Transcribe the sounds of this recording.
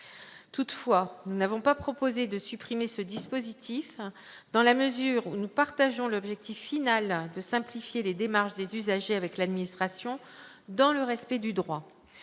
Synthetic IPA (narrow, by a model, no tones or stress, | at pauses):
t̪ut̪fwanunavɔ̃papχɔpozed̪əsypχimesəd̪ispozit̪ʰif | d̪ɑ̃laməzyːʁunupaʁt̪aʒɔ̃lɔbʒɛk̚t̪ifːinald̪əsɛ̃plifjeled̪emaʁʃd̪ezyzaʒeavɛklad̪minist̪χasjɔ̃ | d̪ɑ̃ləʁɛspɛd̪yd̪ʁwa